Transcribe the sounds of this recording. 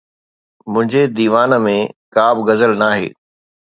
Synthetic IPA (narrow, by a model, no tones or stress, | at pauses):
mʊ̃ɦɪ̃ɲd͡ʑed̪iːʋaːnə̆mẽkaːbɡɐzəlnaːɦḛː